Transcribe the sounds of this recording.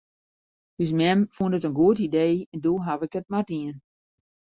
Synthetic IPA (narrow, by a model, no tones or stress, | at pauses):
dysmɛmfundətənɡuətideːɛndoːɦavɪkət̚madiən